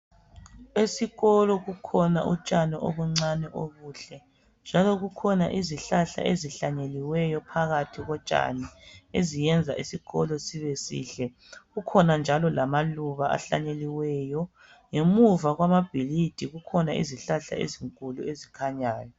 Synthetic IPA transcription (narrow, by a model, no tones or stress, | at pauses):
esiɣɔlɔɣukʰɔna̰ʔṵt͡ʃʼanɛʔo̰βuŋ͡ǀanɛʔoɣuːɬɛ | nd͡ʒʱalɔɣukʰɔna̰ʔiziɬaɬa̰ʔeziɬaɲeliwɛjɔpʰaɣatʰiɣɔt͡ʃʼa̰nɛezijɛnd͡zʱa̰ʔisiɣɔlɔsiβesḭːɬɛ | ɣukʰɔnand͡ʒʱalɔlamaluβaa̰ɬa̰ɲeliwɛːjɔ | ŋemuvaɣwamab̥ʱilid̥ʱiɣukʰɔnaḭziɬaɬa̰ḛziŋkʼuluezikʰaɲaːjɔ